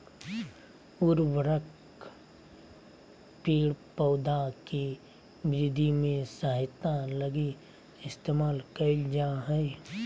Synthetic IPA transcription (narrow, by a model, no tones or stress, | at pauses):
ʊɾbəɾək | piːɽpəːd̪aki | bɾɪd̪ʱimẽsəɦɪt̪aləɡi | ɪst̪eːmaːlkəɪd͡ʒaɦɛe